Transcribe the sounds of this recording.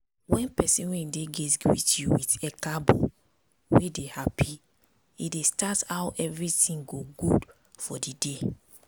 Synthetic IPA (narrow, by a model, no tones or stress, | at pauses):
wɛ̃npɛsĩnwendeɡɛtwḭtjuwitɛkabɔ̰ | wedehapʰi | idestatawʔɛvɹitĩŋɡoɡud | fɔdide